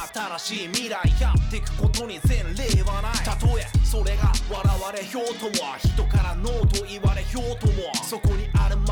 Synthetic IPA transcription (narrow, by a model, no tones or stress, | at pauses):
at̪aɾaɕiːmʲiɾaiçat̪e̞kɯ̟̥ko̞t̪o̞ɲ̟izẽ̞nɾe̞ːβanait̪at̪o̞eso̞ɾe̞ɡaβaɾaβaɾe̞ço̞ːt̪o̞moaçi̥t̪o̞kaɾano̞ːt̪o̞iβaɾe̞ço̞ːt̪o̞moaso̞ko̞ɲ̟iʔaɾɯ̟m